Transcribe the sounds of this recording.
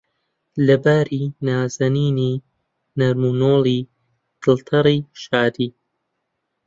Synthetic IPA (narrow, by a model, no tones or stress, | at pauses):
lɐbaːɾiːnaːzɐniːniː | nɐɾmunoːliː | ɡ̪̥ɨlˠt̪ʰɐɾiːʃaːd̪iː